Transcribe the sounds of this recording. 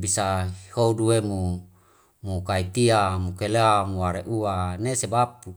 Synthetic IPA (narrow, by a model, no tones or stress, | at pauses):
bisahouduemu | mukait̪iamukeleamuwaɾeʔuanesebap̚u